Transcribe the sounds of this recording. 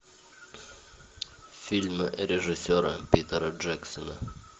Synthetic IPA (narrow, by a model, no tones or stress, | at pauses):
fʲilʲmɨɾʲɪʐɨsʲoɾə̰pʲit̪əɾəʐɛksənə